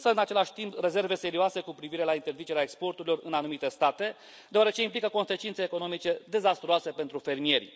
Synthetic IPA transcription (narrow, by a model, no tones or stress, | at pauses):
nsəɨnat͡ʃe̞laʃʲt̪impre̞ze̞rve̞se̞ɾioase̞kupɾiviɾe̞laint̪e̞rzit͡ʃe̞ɾeaekspo̞rt̪uɾilo̞rɨnanumit̪e̞st̪at̪e̞ | d̪eoaɾe̞t͡ʃe̞implikəko̞nse̞t͡ʃint̪seːko̞no̞mit͡ʃe̞d̪e̞zast̪ɾoase̞pe̞nt̪ɾufe̞rmie̞rʲ